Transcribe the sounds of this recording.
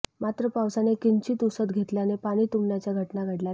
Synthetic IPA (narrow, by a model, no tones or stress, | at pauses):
mat̪ɾəpawsanekiɲt͡ɕiːt̪usət̪ɡʱet̪ljanepaɽ̃iːt̪umɳjat͡ɕjaɡʱəʈnaɡʱəɽlja